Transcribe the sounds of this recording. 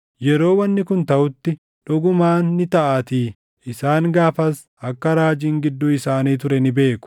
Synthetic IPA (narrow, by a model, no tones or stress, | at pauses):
jɛɾo̞ːwɐnːɪkʊnt̪ɐʔʊt̪ːɪ | ᶑɔɡʊmaːnːɪt̪ɐʔat̪iː | ɪsaːŋɡaːfɐs | ɐkːɐɾaːd͡ʒiːŋɡɪd̪ːʊɪsaːniːt̪̬ʊɾɛnɪbe̞ːkʊ̥